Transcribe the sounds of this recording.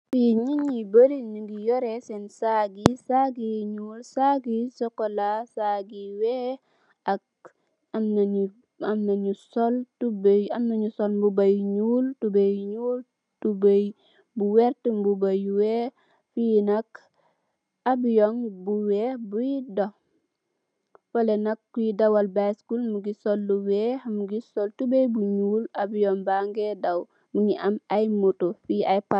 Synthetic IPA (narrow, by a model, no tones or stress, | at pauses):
fiɲiɲibəɾiniŋɡijɔɾɛsɛnsaɡisaɡiɲuːlsaɡisɔkolasaɡiwɛ | ak̚ | amnau | amnaɲusɔltubamnaɲusɔlbubajɲuːltubajɲuːl | tubaj | buwɛɾtmbubajwɛ | finak | abijɔŋbuwɛbujidɔ | fɐlɛnɐkːujidawalbaskulmuɡisɔlːuwɛhmuɡisɔltubebuɲuːlabijɔŋbaŋɡɛdaw | muŋiʔamajmutufiajpa